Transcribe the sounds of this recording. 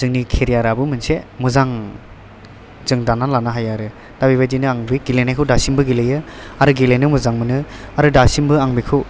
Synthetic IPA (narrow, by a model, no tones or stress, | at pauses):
zɯŋnikʰeɾijaɾabɯmɯnsemuzaŋ | zɯŋdanalanaɦajaɾɯ | d̥abiβadinɯaŋbiɡilenajkʰɯwdasimbɯɡilɯjɯaɾɯɡilenɯmuzaŋmɯnɯaɾɯdasimbɯaŋbikʰɯw